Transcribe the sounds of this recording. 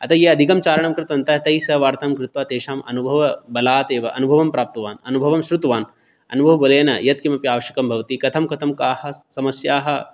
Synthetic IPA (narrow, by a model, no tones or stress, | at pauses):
ɐt̪ʰɐjeːɐd̪ʱikɐmt͡ʃaːɾɐɳ̃ɐmkɾɪt̪ʋɐnt̪ɐt̪ɐisɐʋaːɾt̪aːmkɾɪt̪ʋaːt̪eːʃaːmɐ̰nubʱɐʋɐbɐlaːt̪eːʋɐʔɐ̰nubʱɐʋɐmpɾaːp̚t̪ɐʋaːnɐnubʱɐʋɐmʃɾut̪ʋaːn | ɐ̰nubʱɐʋɐbɐleːnɐ̰jɐt̪̚kimɐpjaːʋɐʃjɐkɐmbʱɐʋɐt̪iːkɐt̪ʰɐmkɐt̪ʰɐmkaːhɐsɐmɐsjaːɦɐ̆